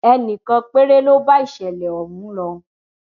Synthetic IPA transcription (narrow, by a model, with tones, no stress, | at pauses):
ɛ˧nĩ˨kã˧k͡pe˦ɾe˦lo˦ba˦i˦˨ʃɛ˨lɛ˨ɔ˨mũ˨˦lɔ˧